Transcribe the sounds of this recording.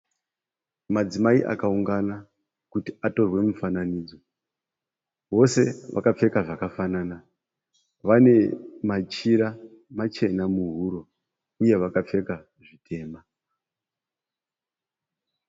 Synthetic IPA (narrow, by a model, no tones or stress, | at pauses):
mad͡zimaiʔa̰kauŋɡana | kutiato̞rwe̞mufananiːd͡zo̞ | ʋo̞se̞ʋʔa̰kap͡fe̞kaʐakafanana | ʋane̞mat͡ʃiɾa | mat͡ʃe̞namuɦuɾo̞ | uje̞ʋakap͡fe̞ka | ʐitʰe̞ːma